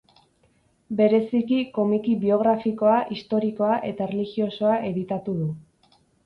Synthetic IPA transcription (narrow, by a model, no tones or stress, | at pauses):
be̞ɾe̞sikiko̞mikiβio̞ɣ̞ɾafiko̞aʔist̪o̞ɾiko̞aʔe̞t̪aerelixio̞so̞aʔe̞ðit̪at̪uðu